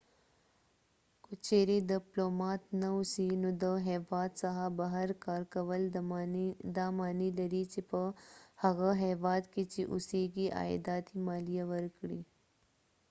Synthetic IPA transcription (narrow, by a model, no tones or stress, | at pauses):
kʊt͡ʃeːɾid̪iploːmaːt̪nɐusinud̪əɦɛːʋaːt̪sɐɦabɐɦəɾkaːɾkɐʋɐl | d̪aːmaːnilɐɾiːt͡ʃipɐhɐɣəɦɛːʋaːd̪kit͡ʃiʔṵsiːɡiʔa̰ːj̰d̪aːt̪imaːlijaʋɐɾkɽi